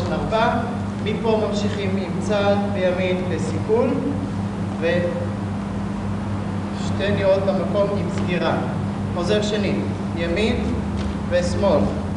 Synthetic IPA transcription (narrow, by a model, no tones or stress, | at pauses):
naʁva | mipo̞mamʃiχimimt͡sadbejaminbesikul | ve̞ | ʃte̞niot̪̚bemako̞mimsɡiʁa | χozeʁʃeni | jamin | vesmo̞l